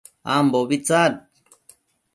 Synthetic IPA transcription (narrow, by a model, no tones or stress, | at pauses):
a̰mboβit͡sat̚